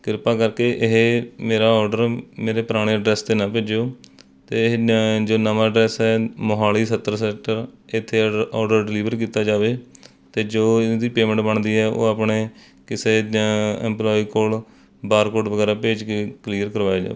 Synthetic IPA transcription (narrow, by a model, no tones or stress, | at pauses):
kɪɾpaːkəɾkeːʔɪɦmeːɾaːɔːɾɖəɾmeːɾeːpɾaːɽ̃eːəɖɾɛːst̪eːnãːpeːd͡ʒoː | t̪eːɦd͡ʒoːnəmãːɖɾɛːsɦɛːmoɦaːliːsət̪ːəɾsɛːk̚ʈəɾɪt̪ʰːeːɔːɖəɾɖɪliːʋəɾkiːt̪aːd͡ʒaːʋeː | t̪eːd͡ʒoːd̪iːpeːmə̃ɳʈbəɳd̪iːɦɛːʔo̰ːaːpɳeː | kɪseːɛ̰ːmplɔːiːkoːl | baːɾkoːɖʋəɡɛːɾaːpeːd͡ʒkekliːəɾkəɾʋaːeːd͡ʒa̰ːeː